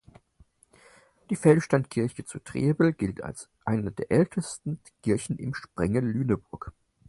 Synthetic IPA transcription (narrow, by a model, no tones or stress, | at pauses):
d̥iːfɛlʃtantkʰɪɐçət͡sutʁ̥eːbl̩ɡ̥ɪltʰa̰ls | ʔaɪnɐdeːɐʔɛltʰəstn̩ | kʰɪɐçn̩ʔɪ̰mʃpʁ̥ɛŋəlyːnəbʊɐk